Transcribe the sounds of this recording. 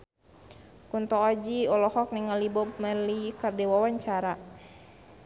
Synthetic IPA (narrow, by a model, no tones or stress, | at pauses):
kunt̪ɔkad͡ʒiɔlɔhɔk̚niŋalibɔp̚malikardɛwawaɲt͡ʃaɾa